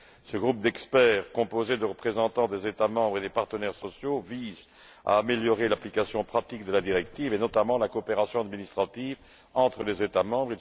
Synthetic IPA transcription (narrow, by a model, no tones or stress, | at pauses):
səɡʁup̚d̪ɛkspɛːʁkɔ̃pozed̪əʁəpχezɑ̃t̪ɑ̃d̪ezet̪amɑ̃bʁed̪epaʁt̪ənɛʁsɔsjoviz | a̰ːmeljɔʁelaplikasjɔ̃pχat̪ikd̪əlad̪iʁɛkt̪ivenɔt̪amɑ̃lakoɔːpeʁasjɔ̃ad̪minist̪χat̪iv | ɑ̃t̪χəlezet̪amɑ̃bʁi